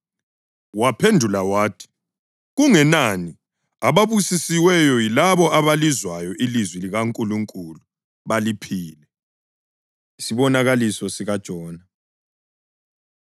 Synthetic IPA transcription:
wapʰendʱulawaːtʰi̥ | ɣuŋɛnani | aβaβusisiwɛjɔjilaβɔʔaβalizwajɔʔilizwiliɣaŋkʼuluŋkʼulu | βalipʰiːlɛ | isiβɔnaɣalisɔsiɣad̥ʒ̥ʱɔːna

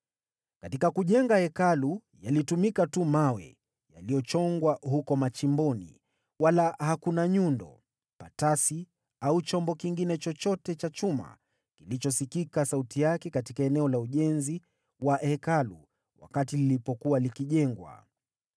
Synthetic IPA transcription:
katikakuʄɛŋɡahɛkalu | jalitumikatumawɛ̰ | ja̰lijɔt͡ʃɔŋɡwaɦukɔmat͡ʃimbɔnḭ | walahakunaɲundɔ̰ | patasi | aut͡ʃɔmbɔkiŋɡinɛt͡ʃɔt͡ʃɔtɛt͡ʃat͡ʃuma̰ | kilit͡ʃɔsikikasautijakɛkatikaɛnɛɔlauʄɛnzi | wahɛkalṵ | wa̰katililipɔkuwalikiʄɛŋɡwa̰

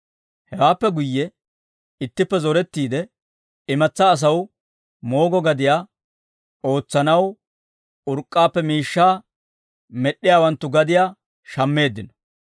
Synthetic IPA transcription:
hɛwaːpːɛɡʊjːɛ | ɪt̪ːɪpːɛzɔɾɛt̪ːiːd̪ɛ | ɪmɐt͡sːɐːs̬ɐw | mo̞ːɡɔɡɐd̪ɪjaː | o̞ːt͡sːɐnɐw | ʊɾkʼːaːpːɛmiːʃːaː | mɛɗːɪjaːwɐnt̪ːʊɡɐd̪ɪjaː | ʃɐmːe̞ːd̪ːɪnɔ̥

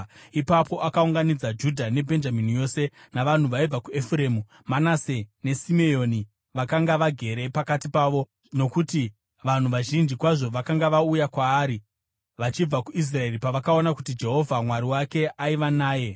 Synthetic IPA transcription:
ipapʰo̞ʔakauŋɡanid͡zad͡ʒudʱane̞bʱe̞nd͡ʒaminijo̞ːse̞naʋan̤uʋaib͡vakue̞fuɾe̞mu | manase̞ne̞sime̞jo̞ni | ʋakaŋɡaʋaɡʱe̞ɾe̞pakatipaːʋo̞ | no̞kuti | ʋan̤uʋaʒind͡ʒikwaʐo̞ʋakaŋɡaʋaujakwaːɾi | ʋat͡ʃib͡vakuis̬rae̞ripaʋakao̞nakutid͡ʒe̞ɦo̞vʱamwaɾiwake̞aiʋanaːje̞

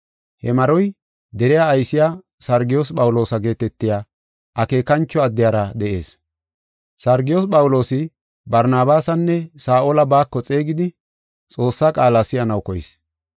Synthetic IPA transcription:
hɛ̰mɐɾɔj | d̪ɛɾɛjaːjsɪja | sɐɾɡɪjospʼɐwʊlo̞ːsɐɡe̞ːt̪ɛt̪ːɪjaː | ʔɐke̞ːkɐnt͡ʃːɔɐd̪ːɪjaːɾɐd̪ɛʔe̞̰ːs | sɐɾɡɪjospʼɐwʊlo̞ːsɪ | bɐɾnaːbaːsɐnːɛsaːʔolɐbaːkːɔt͡sʼeːɡɪd̪ɪ | t͡sʼo̞ːsːakʼaːlasɪjɐnɐwkɔjɪ̰s

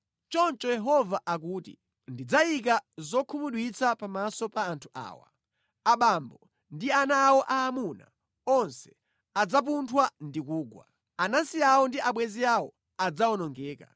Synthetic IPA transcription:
t͡ʃɔnt͡ʃɔjɛɦɔvaʔak̬uːtḭ | ndid͡zajik̬azɔkʰumuɗwit͡sapamasɔpaːntʰu̥ʔa̰ːwa̰ | aɓambɔ | ndianaːwɔʔaːmuna̰ | ɔnsɛ̥ | ad͡zap̬untʰwandikuːɡwa̰ | anansiawɔndiʔaɓwɛziawɔ̰ | ad͡zawɔnɔŋɡɛːka̰

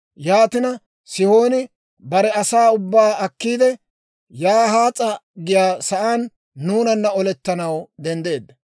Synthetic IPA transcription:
jaːt̪ɪnɐ | sɪho̞ːnɪ | bɐɾɛɐsaːʊbːaːɐkːiːd̪ɛ | jaːɦaːt͡sʼːɐɡɪjaːsɐʔaːnː | uːnɐnːɐɔlɛt̪ːɐnɐwd̪ɛnd̪e̞ːd̪ːɐ

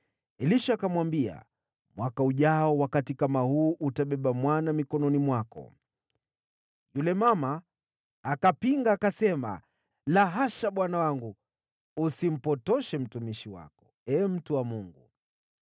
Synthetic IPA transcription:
ɛliʃaːkamwambia̰ | mwakauʄaɔwakatikamahuːʔutaɓɛɓamwanamikɔnɔnimwakɔ̰ | julɛmamaː | kapiŋɡaːkasɛma̰ | laɦaʃaɓwanawaŋɡu | usim̩pɔtɔʃɛm̩tumiʃiwa̰kɔ̥ | ɛːm̩tuwamuŋɡu

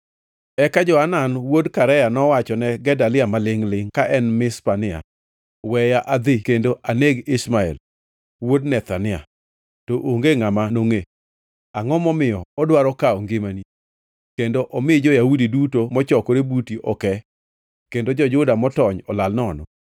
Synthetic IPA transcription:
ɛkad͡ʒɔananwodkaɾɛjanɔwat͡ʃɔnɛɡɛdalɪamalɪŋlɪŋkaʔɛnmɪspanɪa̰ | wɛjaʔad̪ɪkendoʔaneɡɪsmaɛ̰l | wodnɛt̪anɪa̰ | toʔoŋɡeŋamanoŋe | aŋɔmɔmɪjɔɔdwaɾɔkaɔŋɡɪmani | kendoʔɔmɪd͡ʒɔjaudidutomɔt͡ʃɔkɔɾebutiʔɔkɛ | kendod͡ʒɔd͡ʒʊdamɔtɔɲɔlalnɔnɔ̰

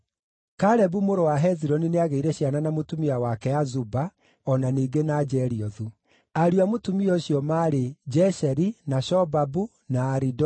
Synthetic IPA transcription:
kaɾɛbumoɾowaɦɛziɾɔnineaɣeiɾɛɕjananamotumiawakɛazuba | ɔnaniːɡenad͡ʒɛɾiɔðu | aɾuamotumiɔɕjɔmaɾed͡ʒɛʃɛɾinaʃɔbabu | naːɾidɔ

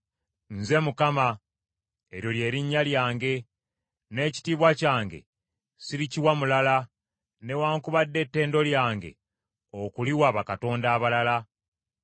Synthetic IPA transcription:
n̩ze̞mukama | eɾjo̞lje̞ːɾiɲːaljaːŋɡe̞ | ne̞ːci̥tiːβwacaːŋɡe̞̰ | siɾiciwamulala | ne̞waːŋkuβadːe̞tːe̞ːndo̞ljaːŋɡe̞̰ | okuliwaːβakato̞ːndaːβalala

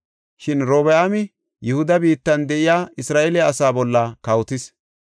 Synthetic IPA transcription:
ʃɪnɾoːbɛaːmɪ | jʊhʊd̪ɐbiːt̪ːɐnd̪ɛʔɪjaːɪsɾaːʔelɪɐsaːbɔlːɐkɐwt̪ɪs

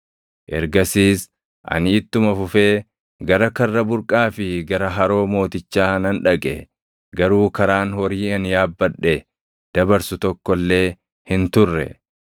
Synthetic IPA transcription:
ʔɛ̰ɾɡɐsiːs | ʔɐ̰nɪːt̪ːʊmɐfʊfe̞ː | ɡɐɾɐkɐrːɐbʊɾkʼaːfɪɡɐɾɐɦɐɾo̞ːmo̞ːt̪ɪt͡ʃːaːnɐnᶑɐkʼɛ̰ | ɡɐɾuːkɐɾaːnhɔɾiːɐnjaːbːɐᶑːɛ | d̪̥ɐbɐɾsʊt̪ɔkːɔlːe̞ː | hɪnt̪ʊrːɛ̰

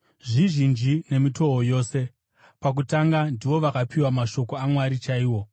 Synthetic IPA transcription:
ʐiʒind͡ʒine̞mito̞ɦojo̞ːse̞ | pak̬utaŋɡandiʋo̞ʋakapiwamaʃo̞ko̞amwaɾit͡ʃaiːwo̞

